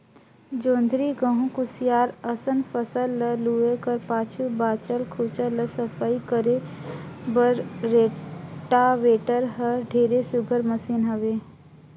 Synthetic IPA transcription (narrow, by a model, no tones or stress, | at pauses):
d͡ʒõːnd̪ʱɾiɡəɦũkʊsɪjaːɾəsənpʰəsəlːəluːekəɾpaːt͡ʃʰubaːt͡ʃəlkʰuːt͡ʃələsəpʰaːikəɾe | bəɾɾeːʈaʋeːʈəɾɦəɖʱeːɾesʊɡʱəɾməsiːnɦɐʋeː